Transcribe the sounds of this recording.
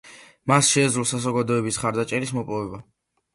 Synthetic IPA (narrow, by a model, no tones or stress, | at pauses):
masʃɛzɾulˠsazɔɡad̪ɔɛbisχaɾd̪at͡ʃʼɛɾismɔpʼɔvɛba